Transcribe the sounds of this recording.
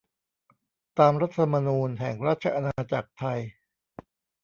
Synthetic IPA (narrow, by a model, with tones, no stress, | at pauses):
t̪aː˧mɾa˦˥t̪ʰːma˧nuː˧nɦɛ˨˩˦ŋɾaː˦˥˩t̪̚t͡ɕʰa˧ʔa˧naː˧t͡ɕa˨˩k̚t̪ʰa˧j